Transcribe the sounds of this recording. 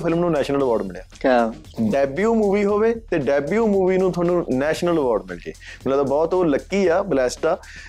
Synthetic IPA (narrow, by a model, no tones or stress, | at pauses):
pʰɪlmnũːnɛːʃnələʋɔːɾɖmɪɭja̰ː | ɖɛːbjuːmuːʋiːɦoːʋeːt̪eːɖɛːbjuːmuːʋiːnũːt̪ʰʊaːnũːnɛːʃnələʋɔːɖmɪ̰lɡḛːməlãːt̪aːbɔːt̪oːləkːiːaːblɛːsʈaː